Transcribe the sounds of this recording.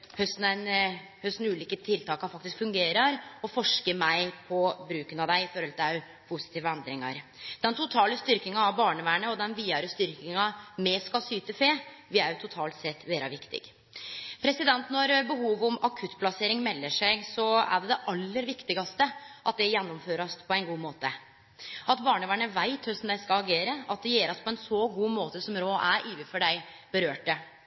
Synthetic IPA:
hœst̪n̩æn | hœst̪nʉːliːkət̪ʰɪlt̪ʰɑːkɑfɑk̚t̪ɪskfʉŋɡeːɾɑɾɔfɔʂkəmæɪpʰɔbɾʉːkənɑʋd̪æɪɪfɔɾhɔlt̪ɪæ | pʰʊsɪ̥t̪iːʋəɛnd̪ɾɪŋɑ̰ɾd̪̥ɛnt̪ʰʊt̪ʰɑːləst̪ʏɾkɪŋɑɑʋbɑːɳəʋæːɳəɔd̪ɛnʋiːɑɾəst̪ʏɾkɪŋɑmɛskɑlsyːt̪əfeː | ʋɪæɾjt̪ʰʊt̪ʰɑːlt̪sɛt̪ːʋeːɾɑʋɪkt̪ɪ̰ɡ | pʰɾɛsɪd̪ɛnt̪nɔɾbəɦuːʋɔmɑkʰʉt̪ːpʰlɑseːɾɪŋmɛlːəʂæɪɡsɔæ̰ɖɛd̪ɛʔɑlːəɾʋɪkt̪ɪɡɑst̪əʔɑt̪̚d̪ɛjɛnːɔmføːɾɑspʰɔɛɪnɡuːmoːt̪ə | ʔɑt̪bɑːɳəʋæːɳəʋæɪt̪ʰhœsm̩d̪æɪskɑɑɡeːɾəɑt̪̚d̪ɛjeːɾɑspʰɔɛnsɔɡuːmoːt̪əsɔmɾoːʔæɾʔiːʋəfɔɖæɪ | b̥əɾøːʈə

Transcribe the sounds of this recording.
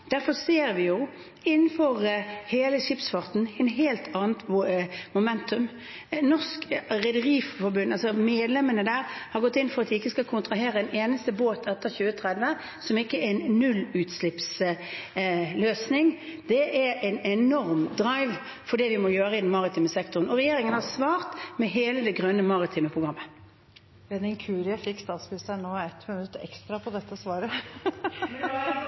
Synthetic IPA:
d̪̥æɾfɔseːɾʋɪjʊ | ɪnːn̩fɔɾheːləʂɪpsfɑʁt̪n̩ɛɪnɦeːlt̪ʰɑːnət̪mʊmɛnt̪ʉm | nɔskɾɛd̪əɾiːffɔɾbʉnːɑlsɔmeːd̪lɛmənəd̪æːɾhɑɾɡɔt̪ːɪnfɔʁɑt̪̚d̪ɪɪkːəskɑlkʰʊnt̪ɾɑɦeːɾəɛneːnəst̪əboːt̪ʰɛt̪ːəɾçʉːət̪ʰɾɛd̪ʋə | sɔmɪkːəɛɪnnʉlʉːt̪slɪps | løːsnɪŋd̪ɛʔæɾɛɪnɛnɔɾmd̪ʁɑɪʋ | fɔɖ̪ɛʋɪmɔjøːɾəɪd̪ɛnmɑʁɪt̪ʰiːməsɛk̚t̪ʊʁənɔʁɛjeːɾɪŋənhɑsʋɑːɾt̪mɛɦeːləd̪ɛɡʁœnːəmɑʁɪt̪ʰɪməpʰʁʊɡʁɑmːə | ʋɛnɪnkʰʉːɾɑfɪkst̪ɑspɪsænoːɛt̪mʉnʉt̪ːəɛ̰kst̪ɾɑpʰɔd̪ɛt̪ːəsʋɑːɾə

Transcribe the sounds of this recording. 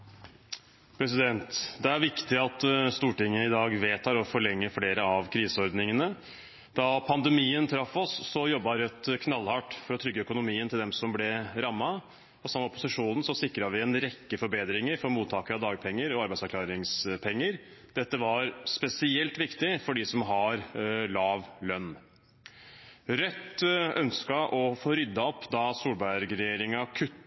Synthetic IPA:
pʰɾɛs̬ɪd̪ɛnt̪d̪ɛæɾʋɪkt̪ɪɑt̪st̪uːʈɪŋːəɪd̪ɑːɡʋeːt̪ʰɑːɾɔfɔɭɛŋːəfleːɾəɑʋkʰɾiːsəɔɾd̪nɪŋənə | d̪̥ɑpʰɑnd̪ɛmiːənt̪ʰɾɑfːɔsːɔjɔbːɑɾœt̪kʰnɑlːhɑːʈfɔɾɔt̪ʰɾʏɡːəœkʊnʊmiːənt̪ʰɪld̪ɛmsɔmblɛɾɑmːɑ | ɔsɑmːəɔpʊsɪʂuːnən̩sɔsɪkːɾɑʋɪɛnɾɛkːəfɔɾbeːd̪ɾɪŋəɾfɔɾmuːt̪ʰɑːkəɾɑd̪ɑːɡpʰɛŋːəɾɔɑɾbæɪsɑɾkʰlɑːɾɪŋspʰɛŋːəɾ | d̪̥ɛt̪ːəʋɑɾspɛsɪɛlt̪ʋɪkt̪ɪfɔɖɪsɔmɦɑɾlɑːʋlœnː | ɾœt̪ːœnskɑʔɔfoːɾʏd̪ːɑɔpːd̪ɑsuːlbæɾɡɾɛjeːɾɪŋɑkʰʉt̪ː

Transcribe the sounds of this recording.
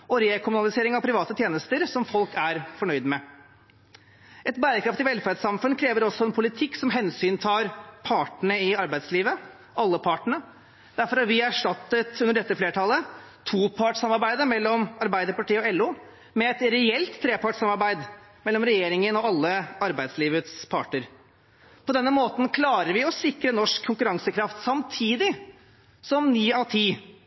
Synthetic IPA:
ɔɾeːkʰʊmʉnɑlɪseːɾɪŋɑʋpʰɾɪʋɑːt̪ət̪ʰjeːnəst̪əɾsɔmfɔlkæɾfɔɳœʏd̪mɛ | ʔɛt̪bæːɾəkʰɾɑft̪ɪʋɛlfæɾɖsɑmfʉnkʰɾeːʋəɾɔsːɔɛnpʰʊlɪt̪ʰɪkːsɔmɦɛnsyːnt̪ʰɑːɾpʰɑːʈɳəɪɑɾbæɪd̪sliːʋə | ʔɑlːəpʰɑːʈəɳə | d̪̥æɾfɔɾɑʋɪæʂʈɑt̪ːət̪ʉnəɖɛt̪ːəfleːʈʰɑlːət̪ʰuːpʰɑʈsɑmɑɾbæɪd̪əɾmɛlːɔmɑɾbæɪd̪əɾpɑʈiːəɔɛlːuː | mɛɛt̪ɾɛɛlt̪ʰːɾeːpɑʈsɑmɑɾbæɪd̪ | mɛlːɔmɾɛjeːɾɪŋənɔɑlːəɑɾbæɪd̪sliːʋət̪spʰɑ̰ːʈəɾ | pʰɔd̪ɛnːəmoːt̪n̩kʰlɑːɾəɾʋɪɔsɪkɾənɔʂkʰːʊŋkʉɾɑŋsəkʰɾɑft̪sɑmt̪ʰiːd̪ɪ | sɔmnyːɑt̪ʰiː

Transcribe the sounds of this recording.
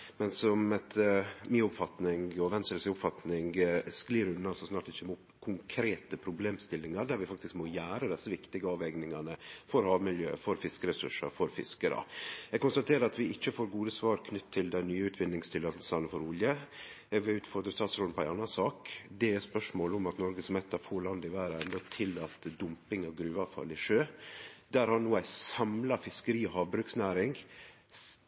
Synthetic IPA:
mɛnsɔmɛt̪ʰmiːʊpfɑt̪nɪŋɡɔʋɛnsɛlsəʊpfɑt̪nɪŋɡskliːɾʉnːɑsɔsnɑːʈɪçːəmʊpkʰʊŋkʰɾeːt̪əpʰɾʊbleːmst̪ɪlːɪŋɑɾɖ̪æɾʋɪfɑkt̪ɪskmoːjæːɾəd̪ɛsːəʋɪkt̪ɪɡəɑːʋɛɡnɪŋɑnəfɔɾhɑːʋmɪljø̰ːfɔɾfɪskəɾɛsʉʂəfɔɾfɪ̰skəɾɑ̰ɛɡ̚kʊnst̪ɑt̪ʰeːɾəɑt̪ʋɪɪçːəfoːɾɡuːd̪əsʋɑːɾkʰnʏt̪ʰːɪld̪ɛnnyːʉːt̪ʰʋɪnːɪŋst̪ʰɪlɑːt̪əl̩sɑnəfɔɾʊljə | ɛɡʋɪʉːt̪fɔɾd̪ɾəst̪ɑːt̪sɾɔlpʰɔæɪɑnːɑsɑːkd̪ɛɛspœʂmoːlɔmɑt̪nɔɾɡəsɔmɛt̪ːɑfoːɭɑnd̪ɪʋæːɾəɛnd̪ɔt̪ʰɪlːɑt̪ːd̪ʊmpɪŋɑʋɡɾʉːʋɑʋfɑ̰lɪʂøːd̪æːɾhɑɾnuːæɪsɑmlɑfɪskəɾiːɔhɑːʋbɾʉːksnæːɾɪŋ

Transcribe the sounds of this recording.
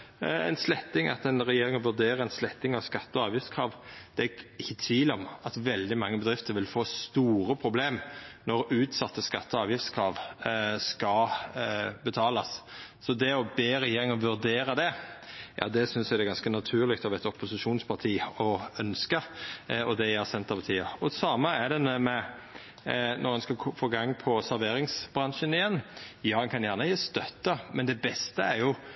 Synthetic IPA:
ɛ̰nslɛt̪ːɪŋɑ̰t̪ɛnɾɛjeːɾɪŋɔʋʉɾd̪eːɾəɛnslɛt̪ːɪŋɑʋskɑt̪ːəɔɑːʋjɪfskʰɾɑːʋd̪̥ɛɡɪçːət̪ʰʋiːlɔmɑt̪ʋɛld̪ɪmɑŋːəbəd̪ɾɪft̪əɾʋɪlfoːst̪uːɾəpʰɾʊbleːmnɔɾʉːt̪sɑt̪ːəskɑt̪ːəɔɑːʋjɪft̪skʰʁɑːʋskɑ | bət̪ʰɑːlɑsː | ɔd̪ɛɔbeːɾɛjeːɾɪŋɔʋʉɾd̪eːɾəd̪ɛjʔɑ̰ːd̪ɛsʏnsæɪd̪ɛɡɑnskənɑt̪ʰʉːɾlɪkt̪ɔʋɛt̪ɔpʊsɪʃuːnspʰɑʁt̪ʰiːɔœnskəɔd̪ɛjæːʁsɛnt̪əpɑt̪ʰiːɑɔsɑːməæɾd̪ɛnmɛ | nɔʁɛnskɑkʰɔfoːɡɑŋːpʰɔsæɾʋeːɾɪŋsb̥ʁɑnʃənɪjɛnːjɑːnkʰɑnjæʁnəːst̪œt̪ːəmɛnd̪ɛbɛst̪əæɾjʊ

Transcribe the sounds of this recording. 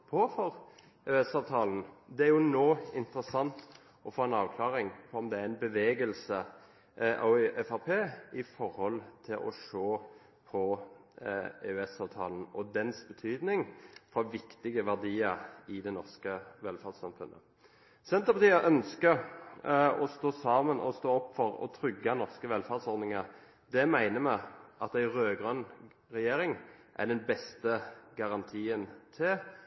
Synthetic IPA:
pʰɔfɔɾ | eʉɛsɑːʋt̪ʰɑːln̩d̪ɛæɾjʊnoːɪnt̪əɾəsɑnt̪ | ɔfoːɛnɑːʋkʰlɑːɾɪŋpʰɔɔmd̪ɛæɾɪnbəʋeːɡəlsə | ɔɛfæpʰeːɪfɔɾhɔlt̪ʰɪlʔɔ̰ʂoː | pʰɔ | eʉɛsɑːʋt̪ʰɑ̰ːln̩ɔ̰d̪ɛnsbət̪ʰyːd̪nɪŋfɔʋɪkt̪ɪɡəʋæʁd̪iːəɾɪd̪ɛnɔʁskəʋɛlfæʁd̪sɑmfʉnːʔə̰ | sɛnt̪əpʰɑt̪iːəʔœnskə | ɔst̪oːsɑːmənʔɔ̰st̪oːɔpːfɔɾɔ̰t̪ʰɾʏɡːɑnɔʁskəʋɛlfæʁd̪sɔʁd̪nɪŋə | d̪ɛmæɪnəmæɪʔɑt̪æɪʁøːɡʁœn | ʁɛjeːɾɪŋʔæ̰ɖ̪ɛnbɛst̪əɡɑʁɑnt̪ʰiːənt̪ʰɪl

